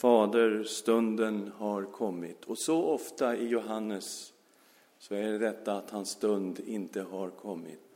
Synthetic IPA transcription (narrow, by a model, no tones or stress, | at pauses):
fɑːd̪əɾst̪ɵnd̪ənhaɾkʰɔmːɪt̪ʰɔsɔʔɔft̪aɪjʊɦanːəsː | ɔæɖɛd̪ɛt̪ːaːt̪hanst̪ɵnd̪ɪnt̪əɦaɾkʰɔmːɪ̰t̪